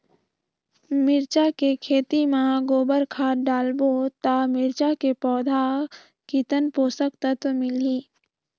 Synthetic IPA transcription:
mɪɾt͡ʃakekʰeːt̪imãɡoːbəɾkʰaːɖaːlbot̪aːmɪɾt͡ʃakepɔːd̪ʱa | kit̪ənpoːsək̚t̪ət̪mɪliː

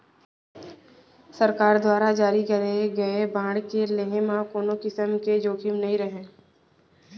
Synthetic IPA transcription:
sɐɾkaːɾd̪waːɾad͡ʒaːɾikɐɾeɡɐebãːɽkeleɦemãkoːnokɪsəmked͡ʒoːkʰɪmnɐɦĩɾəɦẽː

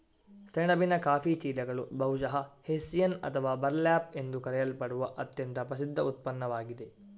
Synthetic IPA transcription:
seɳɐbinɐkaːfit͡ʃiːlɐɡɐɭubɐɦuʃɐɦɐhesijɐnɐ̰t̪ʰɐʋaːbɐɾlaːpe̞nd̪ukɐɾɛjɐlpɐɽuʋɐʔɐt̪jɐnt̪ɐpɾɐs̬id̪ʱːɐut̪̚pɐnːɐʋaːɡid̪e̞

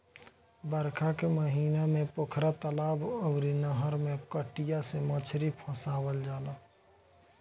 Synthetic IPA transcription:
bəɾkʰakeməɦiːnamẽpʊkʰɾat̪əlaːboʊɾinəɦəɾmẽkəʈijasemət͡ʃʰɾipʰə̃saːwəld͡ʒaːla

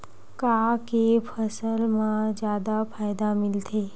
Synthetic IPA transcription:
kakepʰəsəlmãd͡ʒjaːd̪apʰaːjd̪amɪlt̪ʰeː

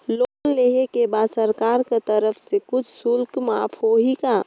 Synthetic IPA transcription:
lonleɦekebad̪səɾkaɾket̪əɾəpʰsekʊt͡ʃʰsʊlkmapʰɦoɦika

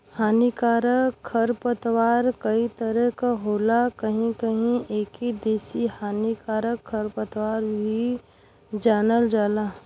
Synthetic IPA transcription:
haːnikaːɾəkʰːəɾpət̪waːɾkəit̪əɾəɦkaɦoːlakəɦĩkəɦĩeːkid̪eːsihaːnikaːɾəkʰːəɾpət̪waːɾbʱi | d͡ʒaːnəld͡ʒaːlaː

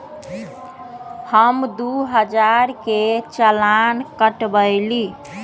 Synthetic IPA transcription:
həmd̪uɦəd͡ʒaɾket͡ʃəlankəʈbəjli

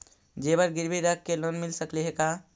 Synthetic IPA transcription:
d͡ʒebəɾɡiɾbiɾəkːelonmilsəkliɦeka

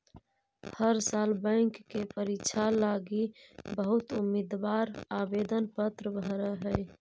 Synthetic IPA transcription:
həɾsaːlbə̃ɪŋkːepəɾit͡ʃʰalaɡibəɦʊt̪ʊmid̪waɾaːbed̪ənpət̪ɾəbʱɾəɦɛj

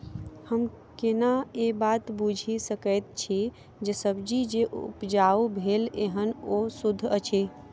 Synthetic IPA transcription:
həm | kenaebat̪bud͡ʒʱisəkəjt̪̚t͡ʃʰi | d͡ʒesəbd͡ʒid͡ʒeʔṵpd͡ʒaubʱeleɦənosud̪ʱːət͡ʃʰi

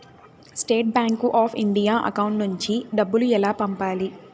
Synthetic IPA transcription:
sʈeːʈ̚baːŋkuʔaːpʰḭɳɖijaːʔɐ̰kɐwuɳʈnuɲt͡ʃiɖɐbːuluɛlaːpɐmpaːli

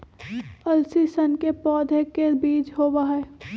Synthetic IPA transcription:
ɐlsisənkepɔːd̪ʱekebiːt͡ʃɦoːʋaːɦɛː

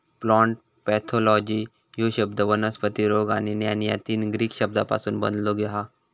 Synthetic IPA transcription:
plɔ̃ɳʈ̚ | pɛt̪ʰolɔd͡ʑiː | joɕəbd̪əʋənəspət̪iɾoɡa̰ñinjanja̰t̪iːnɡɾiːkɕəb̚d̪apa̰suːnbə̰nd̪loɡɛɦa

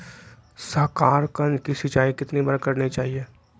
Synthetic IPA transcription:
sɐɾkaːɾkɐ̃nd͡ʒkisɪt͡ʃaːikɪt̪nibɐɾkɐɾnit͡ʃaːɦieː

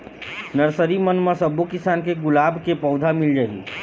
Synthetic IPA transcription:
nəɾsəɾimənmesəbokisankeɡʊlabʱkepəʊd̪ʱamild͡ʒaɦḭ

